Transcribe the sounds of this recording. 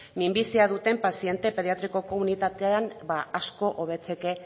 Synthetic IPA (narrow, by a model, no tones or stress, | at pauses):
mimbisiað̞ut̪e̞mpasie̞nt̪e̞pe̞ð̞ijat̪ɾiko̞ko̞munit̪at̪eanbaasko̞ʔoβ̞e̞t͡se̞ke̞